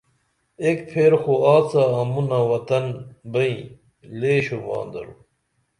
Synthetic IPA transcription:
ekpʰeːɾxoaːt͡saːmunɐwɐt̪ɐnbɐĩ | leːɕumɑ̰ːnd̪ɐ̰ɾu

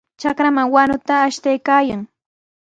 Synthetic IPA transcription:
t͡ʃakɾamaŋwanʊt̪aːʃt̪ajkaːjaŋ

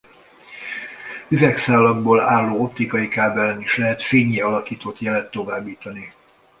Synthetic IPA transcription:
yvɛksaːlːɒɡboːlaːlːoːo̞pt̪ːikɒjikaːbɛlɛniʃlɛɦɛt̪feːɲeːɒlɒkiːt̪ot̪jɛlɛt̪ːo̞vaːbːiːt̪ɒni

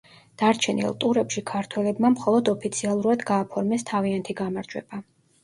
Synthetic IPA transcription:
d̪̥aɾt͡ʃʰɛnḭlˠt̪ʼuɾɛpʃikʰaɾt̪ʰwɛlɛbmamχɔlˠɔd̪ɔpʰit̪sʰialˠuɾad̪ɡaːpʰɔɾmɛst̪ʰaviant̪ʰiɡamaɾd͡ʒwɛ̰b̥a

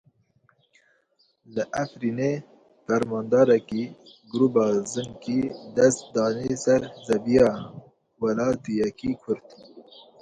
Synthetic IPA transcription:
ləʔæfɾiːne | fæɾmɑːnd̪ɑːɾɛkiɡuɾuːbɑːzɨŋkiːd̪ɛst̪̚d̪ɑːnisɛɾzɛbijɑː | wɛlɑːt̪ijɛkiːkʰʊɾt̪

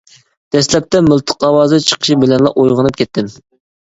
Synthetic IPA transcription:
d̪̥ɛslɛp̚t̪ɛmʊlˠt̪ʰɨ̥qɑwɑːzɨt͡ʃʰə̥qʰə̥ʃibɪlɛnlˠɑ̰ʔojʁənɨp̚kʲʰɛt̪ʰːɪm

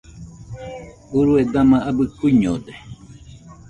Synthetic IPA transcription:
uɾued̪amãʔabɨkuiɲod̪e

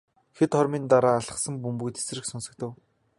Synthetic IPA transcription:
xet̪χɔɾmiːnt̪aɾaːɮə̆χsə̆mpumpujt̪e̥s̆rɘ̆ksʊnsə̆k̚t̪ɘ̆w

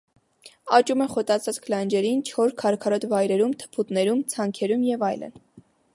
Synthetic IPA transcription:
ɑt͡ʃumɛχɔt̪ɑt͡sʰɑt͡sklɑnd͡ʒɛɾint͡ʃʰɔɾskʰɑɾkʰɑɾɔt̪vɑjɾɛɾumt̪ʰə̥pʰut̪nɛɾumt͡sʰɑŋkʰɛɾumjɛvɑjlə̰n

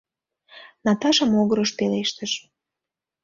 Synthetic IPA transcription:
nɑt̪ɑʃɑmoɣəɾəʃpeleʃt̪əʃ

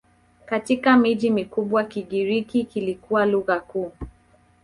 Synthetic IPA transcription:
katikamiʄimikuɓwakiɠiɾikikilikuwaluɣakuː

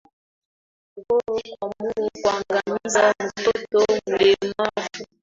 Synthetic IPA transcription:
ɣɔɾɔkwamuɔkwaŋɡamizamutɔtɔmulɛmavu

